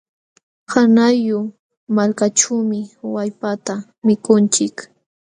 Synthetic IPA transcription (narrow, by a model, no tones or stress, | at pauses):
hanajʊ | malkat͡ʃawmɪwajpat̪a | mɪkʊnt͡ʃɪk